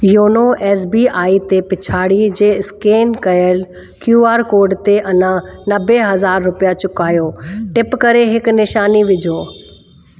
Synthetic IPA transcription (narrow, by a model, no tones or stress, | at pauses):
joːnoʔɛːs̬biːʔaːit̪epɪt͡ɕʰaːɽid͡ʑeːɪskeːnkɐjəl | kjuːaːɾkoːɾɖt̪eʔɐnãnɐbʱeɦɐzaːɾːʊpijat͡ɕʊkaːjoːʈɪpkɐɾeɦɪknɪʃaːniʋɪd͡ʑʱoː